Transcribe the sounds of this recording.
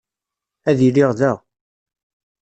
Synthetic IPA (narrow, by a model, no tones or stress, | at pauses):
æðilːɪʁðæʁ